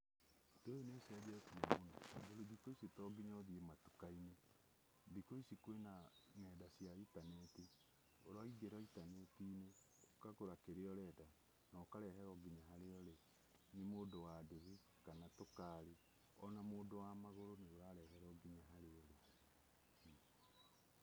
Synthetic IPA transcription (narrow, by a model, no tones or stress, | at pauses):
tejonesɛðɛsiamonaɡoɾoðikoisetɔɡiɲɔðiematu̥kaine | ðikoisikwenanɛdasjaitanɛti | oɾwaiɡeɾɔitanɛtiːne | okaɣoɾakeɾeɔɾɛda | naokaɾɛɦɛɾɔɡiɲaɦaɾeɔɾe | nemoːdowadeβi | kanatokaːɾe | ɔnamoːdowamaɣoɾoneoɾaɾɛhɛɾɔɡiɲaɦaɾeɔɾe